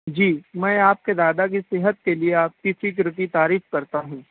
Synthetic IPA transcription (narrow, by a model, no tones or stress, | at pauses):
d͡ʒiːmɛ̃ːaːp̚ked̪aːd̪ak̬isɪɦət̪̚kelieaːp̚kɪsik̬ɾɪʈit̪aːɾiːfkɐɾt̪aɦũː